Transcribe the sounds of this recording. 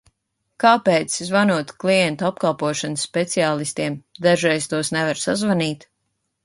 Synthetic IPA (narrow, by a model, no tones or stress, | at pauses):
kaːpɛːt̪szvanuɔt̪klˠiɛnt̪ap̚kalˠpuɔʃansːpet̪siaːlˠist̪iɛmd̪aʒɾɛjst̪uɔsnɛvaɾsazvaniːt̪